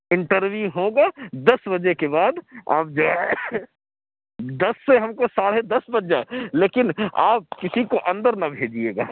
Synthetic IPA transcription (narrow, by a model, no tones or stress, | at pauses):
ɪ̃ɳʈəɾʋjuɦõːɡaːd̪ɐsbɐd͡ʒekebaːd̪a̰ːp̚d͡ʒa | d̪ɐsːeɦɐmkosaːɽed̪ɐsbɐd͡ʒaeleːkɪna̰ːp̚kɪsikoʔɐ̃nd̪əɾnɐbʱeːd͡ʒiḛːɡa̰ː